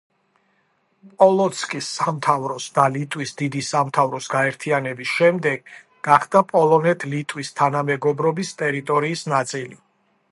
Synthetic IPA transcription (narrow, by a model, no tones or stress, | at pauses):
pʼɔlˠɔt̪sʰkʼisːamt̪ʰavɾɔsd̪alit̪ʼwisd̪id̪isamt̪ʰavɾɔsɡaɛɾt̪ʰianɛbisʃɛmd̪ɛɡ | ɡaχd̪̥apʼɔlˠɔnɛt̪ʰlit̪ʼwist̪ʰanamɛɡɔbɾɔbist̪ʼɛɾit̪ʼɔɾiːsnat̪sʼili